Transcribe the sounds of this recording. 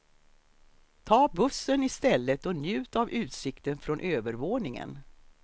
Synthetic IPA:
t̪ʰɑːbɵsːənɪst̪ɛlːət̪ɔnjʉ̟ːt̪avʔʉ̟ːt̪sɪkt̪ənfɾɔnʔøːvəɾvoːnɪŋə̰n

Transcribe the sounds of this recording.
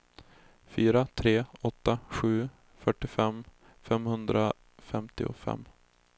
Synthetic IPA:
fyːɾat̪ʰɾeːɔt̪ːaɧʉ̟ː | fœʈːɪfɛm | fɛmhɵnd̪ɾa | fɛmt̪ɪʊ̰fɛ̰mː

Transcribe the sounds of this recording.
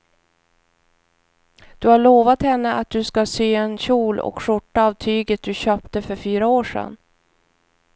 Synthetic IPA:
d̪̥ɵhaɭoːvat̪hɛnːəʔat̪̚d̪ɵskasyːɛnɕuːlɔ̰kʂʊʈːaːvt̪ʰyːɡət̪̚d̪ɵɕœːpt̪əfœɾfyːɾaoːʂɛ̰nː

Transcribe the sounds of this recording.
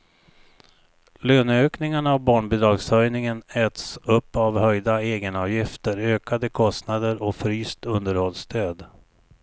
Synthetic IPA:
løːnøːknɪŋaɳaavbɑːɳbɪd̪ɾɑɡshœjnɪŋənɛːt̪sɵpːavhœjd̪aeːɡənɑːvjɪft̪əɾøːkad̪əkʰɔst̪nad̪əɾɔfɾyːst̪ɵnd̪əɾhɔlst̪ʰøːd̪

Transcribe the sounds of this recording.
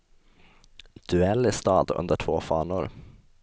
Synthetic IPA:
d̪̥ʉɛlːɪst̪ɑːd̪ɵ̰nd̪əʈʰvoːfɑːɳʊɾ

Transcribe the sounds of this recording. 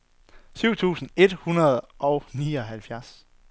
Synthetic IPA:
syʊ̰t͡sʰṵːsn̩e̝d̥hunɐð̞ˠʔɒ̽ʊniːɒ̽ɦælfjæɐs

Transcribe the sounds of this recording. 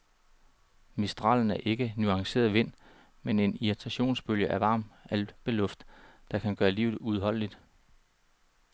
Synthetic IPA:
misd̥ʁɑ̰̈ːln̩æɐʔe̝ɡ̥ənuɑ̈ŋse̝̰ːɐðˠʋe̝n̰ | mene̝niʁit͡sʰæɕo̝̰ːnsb̥øljəʔæʋɑ̈ːmæl̥b̥e̝lɔ̽fd̥d̥ɑ̈kʰænɡ̥ɶːɐlḭːʊð̞̩ˠuð̞ˠɦɒ̽l̰lid̥

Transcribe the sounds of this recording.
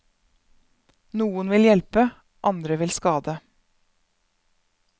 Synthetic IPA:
nuːənʋɪljɛlpə | ʔɑnd̪ɾəʋɪlskɑːd̪ə

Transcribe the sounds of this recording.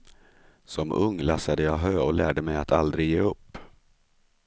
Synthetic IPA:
sɔmʔɵŋːlasad̪əjɑɦøːɔlæːɖəmɛjat̪ʰald̪ɾɪjeːɵpː

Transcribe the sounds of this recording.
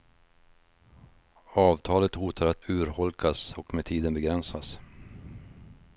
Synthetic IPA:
ɑːvt̪ʰɑːlət̪huːt̪ʰaɾat̪ʰʉ̟ːɾhɔlkʰasɔkmɛt̪ʰiːd̪ənbɛɡɾɛnsas

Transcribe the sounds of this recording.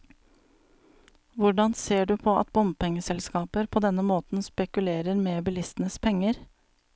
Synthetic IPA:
ʋʊɖɑnseːɖʉːpʰoːʔɑ̰t̪bʊmpɛŋəsɛlskɑːpəɾpʰoːd̪ɛnəmoːt̪n̩spɛkʉleːɾəɾmeːbɪlɪst̪n̩əspʰɛŋəɾ

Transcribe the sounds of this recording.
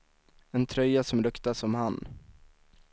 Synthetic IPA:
ɛnt̪ʰɾœjːasɔmɾɵkt̪asɔmhan

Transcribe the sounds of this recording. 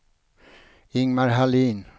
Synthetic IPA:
ɪŋmaɾɦaliːn

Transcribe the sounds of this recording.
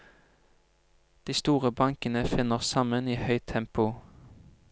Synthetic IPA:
d̪̥iːst̪uːʁəbɑŋkənəfɪnəʁsɑməniːhœʏt̪ʰɛmpʊ

